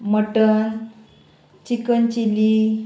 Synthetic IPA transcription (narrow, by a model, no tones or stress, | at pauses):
məʈən | t͡ɕikənt͡ɕili